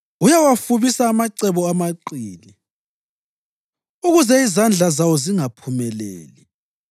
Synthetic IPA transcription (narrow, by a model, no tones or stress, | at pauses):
ujawafuβisaːmaǀɛβɔamaǃiːli | uɣuzɛizand͡ɮʱazawɔziŋapʰumɛlḛːli